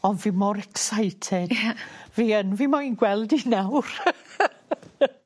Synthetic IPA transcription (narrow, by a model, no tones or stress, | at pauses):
ɔndvimɔɾɛksajtʰɛdviːənvimɔinɡwɛlˠdinawr